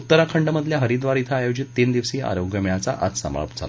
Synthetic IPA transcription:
ut̪ːəɾakʰəɳɖəməd̪ʱljaɦəɾid̪ʋaɾit̪ʰaajod͡ʑit̪ːind̪iʋsiːa̰ɾoɡjəmjat͡sa̰ʔat̪səma̰ɭpd͡zʱa̰la̰

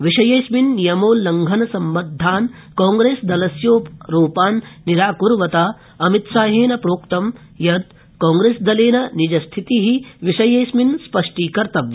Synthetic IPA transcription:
ʋiʂɐjɐːsminːijɐmoːlːɐŋɡʱɐnɐsɐmbɐd̪ʱːaːn | koːŋɡɾeːsd̪ɐlɐsjoːpɾuːpaːnːiɾaːkuɾʋɐt̪aː | ɐmit̪saːɦeːnɐpɾoːkt̪ɐm | jɐd̪ | kaːŋɡɾeːsd̪ɐleːnɐnid͡ʒɐst̪ʰit̪iɦiʋiʂɐjɐjsminspɐʂʈiːkɐɾt̪ɐʋ

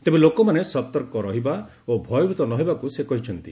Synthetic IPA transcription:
t̪ebelokɔmanesɔt̪ɔɾkɔɾɔɦiba | obʱɔjɔbit̪ɔnɔɦibakusekɔɦit͡ʃʰɔnt̪ḭ

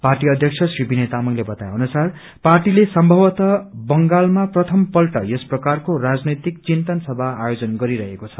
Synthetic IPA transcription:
parʈiʌd̪ʱjʌk̚t͡sʰʌsribinet̪amʌŋlebʌt̪ajɦʌnusar | parʈilesʌmbʱʌwʌt̪ʌbʌŋɡalmaprʌt̪ʰʌmpʌlʈʌ̰jʌsprʌkarkorad͡znʌjt̪ik̚t͡sint̪ʌnsʌbʱaːjod͡zʌnɡʌɾiɾʌɦekot͡sʰʌ̥

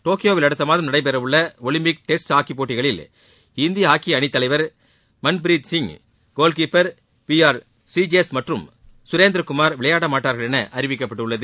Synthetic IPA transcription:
ʈoːkɪjoːʋɪlɐɽɯt̪ːɐmaːðɯmnɐɽɐɪp̬ɛɾɐʋʊɭːɐɔlɪmpɪk̚ʈɛsʈaːkipoːʈːɪɣɐɭɪl | ɪnd̪ɪjɐɦaːkiɐɳɪt̪ːɐlɐɪʋɐɾ | mɐnpɾiːd̪sɪŋ | ɡ̥oːlk̬iːpːɐɾ | piːaːɾ | sid͡ʒsmɐʈrɯm | sʊɾeːnd̪ɾɐkʊmaːɾʋɪɭɐjaːɽɐmaːʈːaːɾɣɐɭɛnɐʔɐɾɪʋɪkːɐpːɐʈːɯɭːɐðɯ

